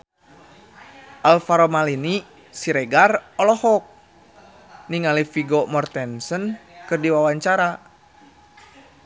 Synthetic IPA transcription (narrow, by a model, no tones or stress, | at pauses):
ʔalfaɾomalini | siɾɛɡarɔlɔhɔk̚ | niŋalifiɡɔmɔrt̪ɛnsənkɨrdiwawaɲt͡ʃaɾa